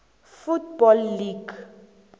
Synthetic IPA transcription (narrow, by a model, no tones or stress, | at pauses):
futbɔlːiɡ